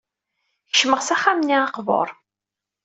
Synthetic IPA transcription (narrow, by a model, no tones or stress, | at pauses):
çʃməʁsæχamniɑqvo̰ɾˤ